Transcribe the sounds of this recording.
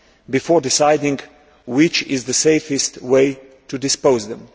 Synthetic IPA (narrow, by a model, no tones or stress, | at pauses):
bɨfɔɹdɪsaɪdɪ̃ŋ | wɪt͡ʃɪzðɨseɪfɨstweɪ | tɨdɨspoʊzðɛ̃m